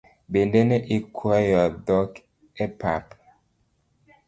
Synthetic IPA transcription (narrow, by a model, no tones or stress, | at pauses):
bendeneʔikʰwajɔdɔk | ɛpa̰p